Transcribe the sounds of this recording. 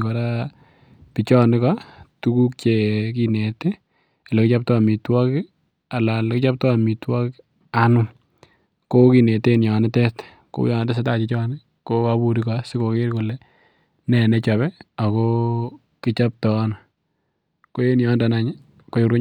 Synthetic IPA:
kɔ˨ɾa˦ | pi˨t͡ʃɔ˦nɪ˦ka˦tu˦ku˦k̚t͡ʃe˨k̬i˦ne˨te˦˨ | lɛ˨kɪ˦t͡ʃap̚tɔ˦a˨mi˨twɔ˦kɪ | a˨la˨lkɪt͡ʃa˦p̚tɔ˦a˨mi˨twɔ˦k | a˨nʊ˦ | ko˦ki˨ne˨te˦njɔ˨nɪ˦tɛ˦t | ko̰ṵ˦jɔ˨nde˦s̬e˦ta˦t͡ʃi˨t͡ʃɔ˦nɪ | ko˦kabu˨ɾi˦kɔsɪ˦ko˨ke˦ɾko˨lɛ˦ | nɛ˨nɛ˦t͡ʃa˨βɛ˦a˨kɔ | kɪ˦t͡ʃa˦p̚tɔ˨˦na | ko˦je˦njɔ˦nda˨na˨ɲɪ˦ | ko˨ju˨ɾu˦

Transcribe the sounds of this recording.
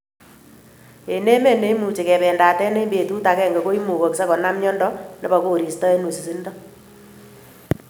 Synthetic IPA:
e˨ne˦me˦˨ne˦i˦mu˨t͡ʃe˨kɛ˨pɛː˨nda˨tɛ˦ne˦be˨tu˦ta˨kɛ˦˨ŋɡe˨ko˦i˦mu˨ko˨ksa˦kɔ˨na˦mɲɔ˦ndɔ˦ne˦ba˨ko˨ɾi˨stɔ˦e˦nu˨si˨si˦ndɔ˦

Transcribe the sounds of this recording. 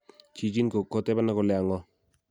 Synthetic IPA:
t͡ʃi˨t͡ʃi˦nko˨kɔ˦˨t̪e˦ba˦na˦ko˨lɛ˨a˨ŋɔ˦

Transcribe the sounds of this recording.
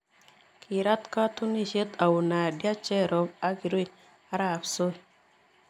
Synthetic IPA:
kʰi˨ɾa˦t̪ka˦tu˦ni˦ʃe˦t̪a˨wu˨na˨dja˦t͡ʃe˦˨ɾo˨ba˦ɡi˨ɾu˦i˨ | a˦ɾa˦˨pso˦˨

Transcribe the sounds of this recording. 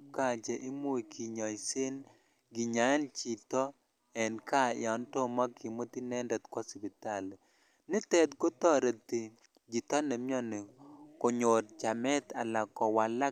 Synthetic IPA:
ka˨d͡ʒɛ˨ʔɪ˦mo˦i˨kʰi˨ɲɔ˨i˨sɪ˦n | ɡi˨ɲa˨˦nt͡ʃi˨t̪ɔ˦ | ɛ˨nka˦ɪ̰˨ɔ˨nto˦ma˦ki˨mo˦t̪i˦nɛ˦ndɛ˨t̪kwɔ˦spi˨t̪a˦˨l | nɪ˦t̪ɛ˦d̪ko˦t̪ɔ˦ɾe˨t̪ɪ˨ | d͡ʒi˨t̪ɔ˦ne˨mjɔ˦nɪ˨ko˨ɲo˨ɾt͡ʃa˨mɛ˦t̪a˨la˨kɔ˨wa˨la˦

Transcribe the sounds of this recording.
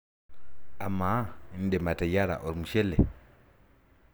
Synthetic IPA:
a˨ma˨˦n̩˦dɛ˨ma˨ta˨ja˦ɾa̰˨ʔo˨ɾi˨mu˨ʃɛ˦lɛ˨

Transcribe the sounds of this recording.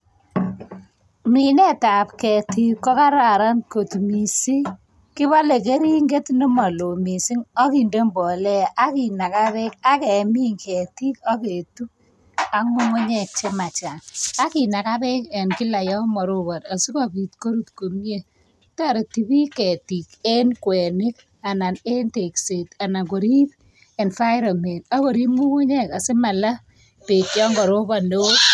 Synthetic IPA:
mi˨nɛ˦ta˨pkɛ˨ti˦kːɔ˦ka˦ɾa˨ɾa˦nko˨tmi˨si˦ | ki˦βa˦le˨k̬e˦ɾi˦ŋɡe˦tni˦ma˨lo˨mi˨si˦ŋɔ˦ki˨nde˦mbɔ˨lɛ˦a˦ki˨na˨ka˦βe˦ka˦kɛ˨mi˦ŋkɛ˨ti˦kɔ˦ke˨tu˦ | a˨ŋo˦ŋo˦ɲɛ˨k̚t͡ʃe˦ma˨t͡ʃa˨a˦ki˨na˨ka˦pe˦ke˨nki˦la˨jɔ˦mɔ˨ɾo˦ba˨ta˨su˦kɔ˨pi˨tko˦ɾu˦tko˨mje˦ | ta˦˨ɾe˨ti˦bi˦kɛ˨ti˨ke˦nkwɛ˨nɪ˦k | a˨na˨ne˦nte˨kse˨ta˨na˨ko˨ɾi˦p̚ | e˨nfa˦ɪɾɔ˨me˨na˦ko˨ɾi˦pmu˦ŋʊ˦ɲɛ˦ka˨se˦ma˨la˦ | pe˨kjɔ˦ŋɡɔ˨ɾo˦ba˦˨ndo˦

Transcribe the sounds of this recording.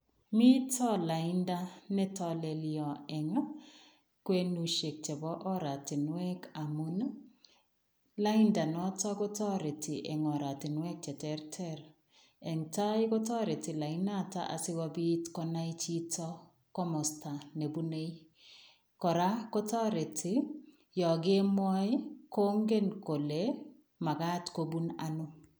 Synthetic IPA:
mi˦tɔ˦la˨i˦nda˦nɛ˦tɔ˦le˨liɔ˨ɛ˨ŋɔ˦ | kwe˦nu˨ʃe˨k̚t͡ʃɛ˨bɔ˦ʔɔ˦ɾa˨ti˨nwɛ˦ka˨mu˦n˦ | la˦i˦nda˨nɔ˦tɔ˦ko˦tɔ˦ɾe˨tɪ˨ʔɛ˨ŋɔ˨ɾa˨ti˨nwɛ˦k̚t͡ʃɛ˨tɛ˦ɾtʰɛ˦ɾ | ɛ˨ŋta˦jkɔ˦tɔ˦ɾe˨tɪ˨la˨i˦na˦ta̰˦ʔa̰˨sɪ˦wa˦bi˦tkɔ˦na˦jt͡ʃi˦tɔ˦ | kɔ˦mɔ˨sta˨ne˨bu˦ne˦i | kɔ˨ɾa˦ko˦tɔ˦ɾe˨tʰɪ˨ | jɔ˨ɡe˦mɔ˦jko˦ŋɡe˦nko˨le˦ | ma˨ka˦tko˦bu˦na̰nʊ˦

